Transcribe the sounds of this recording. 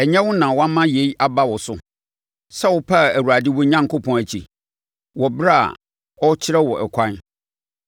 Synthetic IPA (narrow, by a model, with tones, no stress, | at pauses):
ɛ˨ɲɛ̃˦wʊ˦nã˨wã˦mã˦je˨˦i˦ʔa˦ba˦wɔ˨sʊ˨ | sa˦wʊ˨pʰa˦˨æ˨wu˨ɾa˨dɪ˦wɔ˦ɲã˦ŋ˨kʊ˦pʰɔ̃˨æ˨t͡ɕʰi˨ | wɔ˨bɾa˦a̰˨ | ɔ˦t͡ɕʰɪ˦ɾɛ˦wɔ˨ʔɛ̰˨kʰʷã˦n